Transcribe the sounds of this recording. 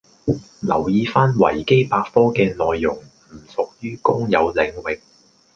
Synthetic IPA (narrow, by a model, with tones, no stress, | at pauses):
lɐ˨˩wjiː˧faː˥nwɐ̰˨˩jke˥jpaː˧kfɔː˥kɛː˧nɔː˨˧jːʊ˨˩ŋm̩˨˩sʊ˨k̚jyː˥kʊ˥ŋjɐ˨˧wlɪ˨˧ŋwɪ˨k̚